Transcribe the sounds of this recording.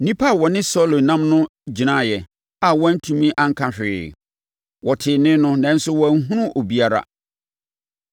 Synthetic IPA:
nĩ˦pʰa˦˨wɔ˨nɪ̃˦sɔ˦lo˨nã˦mnʊ̃˦d͡ʑi˨nã˦˨jɛ˨ | a˨wɔ̃˦n̩˦tʰũ˨mĩ˦ʔã˦ŋ̩˦kʰã˦ɕᶣɪ˨ | wɔ˨tʰɪ˨nɪ̃˦nʊ̃˦nã˨n̩˦sʊ˦wɔ̃˨n̩˦ɦũ˦ɾʊ̃˦ʔo˨bi˦a˦ɾa̰˦

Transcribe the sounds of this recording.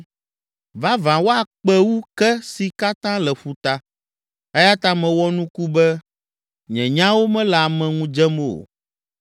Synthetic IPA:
va˦vã˨wo˦a˨k͡pɛ˦wu˦kɛ˦si˨ka˦t̪ã˦lɛ˨ɸu˨t̪a˦ | ɛ˦ja˦t̪a˦mɛ̃˨wɔ˦nũ˦ku˦bɛ˦ | ɲɛ̰̃˨ɲã˦wo˦mɛ̃˦la˨mɛ̃˨ŋũ˦d͡ʒɛ˦mo˨o̰˨

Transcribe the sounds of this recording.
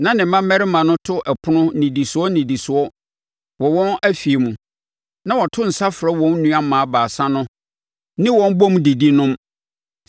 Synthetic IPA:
nã˨nɪ̃˨m̩˨mã˦mmɛ˦ɾɪ˦mã˨nʊ̃˦tʰʊ˦ʔɛ˨pʰʊ˦nʊ̃˦nĩ˨di˨sʊ˨ɔ˦nĩ˨di˨sʊ˨ɔ˦ | wɔ˨wɔ̃˦næ˦fi˨e˨mũ˨ | nã˦wɔ˨tʰʊ˦n̩˨sa˦fɾɛ˦wɔ̃˨˦n˦nũ˦a˦mãː˨a˦baː˨sã˦nʊ̃˦ | nɪ̃˦wɔ̃˦nbɔ˦m˦di˨di˦nʊ̃˦m

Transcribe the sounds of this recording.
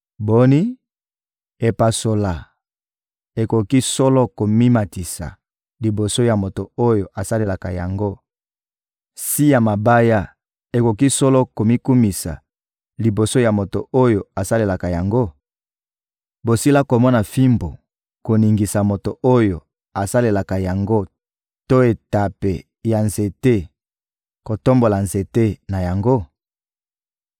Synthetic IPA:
bo˦ni˦ | e˨pa˨so˨la˨ | e˨ko˨ki˦sɔ˦lɔ˦ko˨mi˦ma˨ti˨sa̰˨ | li˨bo˨so˦ja˨mo˨to˨o˦jo˨ʔa˨sa˦le˨la˨ka˨ja̰˨ŋɡo˦ | si˦ja˨ma˨ba˦ja˦ | e˨ko˨ki˦sɔ˦lɔ˦ko˨mi˦ku˦mi˨sa̰˨ | li˨bo˨so˦ja˨mo˨to˨o˦jo˨a˨sa˦le˨la˨ka˨ja˨ŋɡo˦ | bo˨si˦la˦ko˨mɔ˦na˨fi˦mbo˨ | ko˨ni˨ŋɡi˨sa˨mo˨to˨ʔo˦jo˨ | a˨sa˦le˨la˨ka˨ja˨ŋɡo˦ | to˦e˨ta˨pe˨ | ja˨nze˨te˦ | ko˨to˦mbo˨la˨nze˨te˦na˨ja˨ŋɡo˦

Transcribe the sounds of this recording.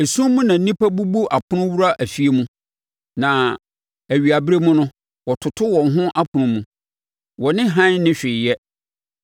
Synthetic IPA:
e˨sũ˦mũ˦nã˨˦nĩ˦pʰa˦bu˦bu˦ʔa˨pʰʊ˦nʊ̃˦wu˦ɾa˦ʔæ˨fi˨˦e˦mũ˦ | nã˨ | æ˨ɥi˨a˨bɾe˦mʊ̃˦nʊ̃˦ | wɔ˨tʰʊ˨tʰʊ˦wɔ̃˨ŋɦʊ̃˦ʔa˦pʰʊ˨nʊ̃˦mũ˨ | wɔ˨nɪ̃˦ɦã˦n˦nɪ̃˦ɕᶣɪ˨jɛ˦

